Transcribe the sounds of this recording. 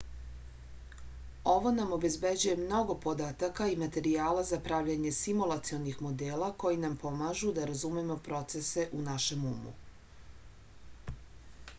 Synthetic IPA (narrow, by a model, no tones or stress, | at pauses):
o̞ʋo̞namo̞be̞zbe̞d͡ʑuje̞mno̞ɡo̞po̞d̪at̪akaimat̪e̞ɾiaːlazapɾaʋʎeɲe̞simulˠat̪sionixmo̞d̪eːlˠako̞jinampo̞maʒud̪aɾazumemo̞pɾo̞t̪se̞se̞ʔunaʃe̞mṵmṵ